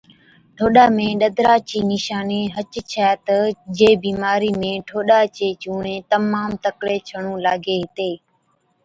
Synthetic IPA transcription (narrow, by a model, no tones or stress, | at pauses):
ʈʰoːɗaːmẽːɗəd̪ɾaːt͡ʃiːnɪʃaːneːɦət͡ʃt͡ʃʰaːt̪əd͡ʒeːbiːmaːɾiːmẽːʈʰoːɗaːt͡ʃeːt͡ʃuːɳẽːt̪əmaːmt̪əkɽeːt͡ʃʰəɳ̃õːlaːɡʱeːɦɪt̪eː